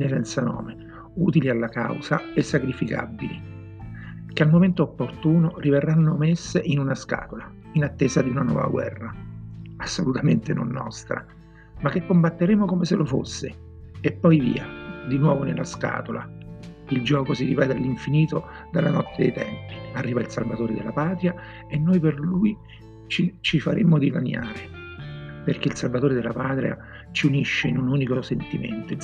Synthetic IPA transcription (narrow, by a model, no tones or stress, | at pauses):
nesɛnt̪sanɔ̰ːme | uːt̪ilialːaka̰wzaesːakɾifika̰bːilḭ | kealmoment̪oːpːort̪uːnoriverːanːomesːeʔinunaska̰ːt̪ola | inat̪ːeːzad̪iunanwɔ̰ːva̰ɡwɛ̰rːaasːolut̪ament̪eno̰nːɔ̰st̪ɾa̰ | makːekːombat̪ːeɾeːmokomeselofo̰sːe | epːɔjvḭːad̪inwɔːvonelːaska̰ːt̪olaild͡ʒɔːkosiɾivad̪alːiɱfiniːt̪o | d̪alːanɔt̪ːed̪ḛjt̪ɛmpiarːiːvailsalvat̪oːɾed̪elːapaːt̪ɾja | enːojperluːj | t͡ʃit͡ʃifaɾḛmod̪ivaɲːaːɾe | perk̟eilsalvat̪oːɾed̪elapaːt̪ɾia̰ | t͡ʃiuniʃːeinunuːnikosent̪imḛnt̪o